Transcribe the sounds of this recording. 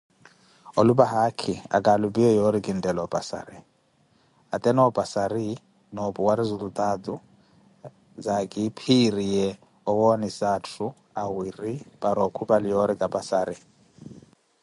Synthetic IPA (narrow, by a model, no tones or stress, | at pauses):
ɔlubaɦakʰia̰kʼalubʼiɔjɔɾikʼin̩dʼɛlɔpʼa̰sa̰ːɾi | atʼɛnɔːpʼasaɾi | nɔpuwaɾizulut̪ʼat̪u | zakʼipʰirijɛ | ɔwɔnisatʰu | awiripʼaɾɔkʰubʼalɪjɔɾikʼapʼasaːɾi